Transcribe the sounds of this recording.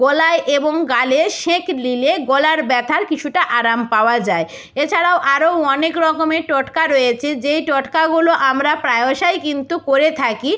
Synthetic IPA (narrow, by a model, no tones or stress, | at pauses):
ɡolaeʔeboŋɡaleʃeklileɡolaɾbɛt̪ʰaɾkit͡ɕʰuʈaʔaɾampaoad͡ʑae | et͡ɕʰaɾaoʔaɾoɔnekɾɔkomeʈɔʈkaɾojet͡ɕʰed͡ʑejʈɔʈkaɡuloʔamɾapɾaeoʃajkint̪ukoɾet̪ʰaki